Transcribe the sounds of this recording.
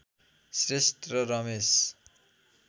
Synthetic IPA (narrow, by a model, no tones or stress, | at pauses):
srest̪rʌɾʌmes